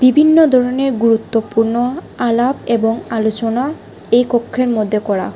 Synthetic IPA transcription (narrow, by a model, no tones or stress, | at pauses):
bibʱinːod̪ʱɔɾoneɾɡuɾut̪ːopuɾno | alabeboŋalot͡ɕona | ejkokʰːeɾmod̪ʱːekɔɾa̰